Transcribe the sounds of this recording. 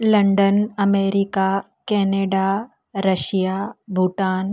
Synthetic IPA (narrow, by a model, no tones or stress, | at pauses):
lɐɳɖənɐmeːɾika | kɛːneːɖa | ɾɐʃijabʱuʈaːn